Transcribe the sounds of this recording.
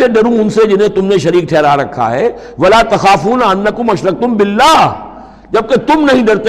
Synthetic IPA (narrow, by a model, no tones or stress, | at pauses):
eɖɐɾũʊnsed͡ʒɪnɦẽt̪ʊmnẽʃɐɾiːk̚ʈʰɛːɾaɾɐkʰːa̰ɦɛː | ʋɐlaːt̪ɐxaːfuːnaɐnːɐkʊmɐʃɾɐk̚t̪ʊmbɪlːaː | d͡ʒɐb̚ket̪ʊmnɐɦĩɖɐɾt̪